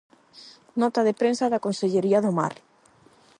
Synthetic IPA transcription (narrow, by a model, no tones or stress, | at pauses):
nɔt̪aðepɾensaðakonseʎeɾiaðoma̰ɾ